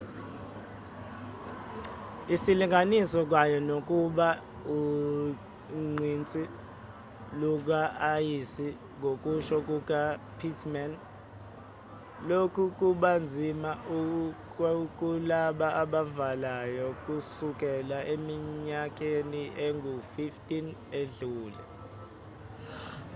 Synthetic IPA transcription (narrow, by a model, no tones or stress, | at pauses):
isiliŋʱanisɔk̬wajɔnok̬ʼuɓa | u | ŋ͡ǀʱint͡sʼi | luk̬aajisi | ŋʱok̬ʼuʃɔk̬uk̬apʰitʰmɛn | lokʰuk̬uɓand͡zʱimaʔu | k̬ʼulaɓaaɓavalajɔk̬ʼusuk̬ʼɛlaʔemiɲak̬ʼeniʔeŋɡʱufiftʼineɮuːlɛ̰